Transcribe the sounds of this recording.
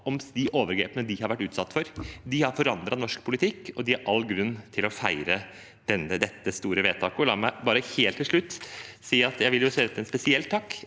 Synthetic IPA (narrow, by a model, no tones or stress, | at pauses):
ɔmd̪ɪʔoːʋəɾɡɾḛːpənəd̪ɪhɑɾʋæʈːʉːt̪sɑt̪ːfɔɾd̪ɪhɑɾfɔɾɑnd̪ɾɑnɔʂkpʰʊlɪt̪ʰɪkːɔd̪ɪɑɾʔɑlːɡɾʉnːt̪ʰɪlɔfæɪɾə | d̪̥ɛnːəd̪ɛt̪ːəst̪uːɾəʋeːt̪ʰɑːkɔlɑ̰ːmæɪbɑːɾəheːlt̪ʰːɪlʂɭʉt̪ːsiːɑt̪jæɪʋɪljʊseːd̪ɛt̪əɛnspɛsɪɛlt̪ʰːɑkː